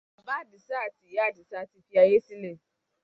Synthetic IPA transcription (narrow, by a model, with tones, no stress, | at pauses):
a˨ba˦di˨sa˦˨ti˨ja˦˨di˨sa˦ti˨˦ɸi˦ja˦je˦si˦ne˨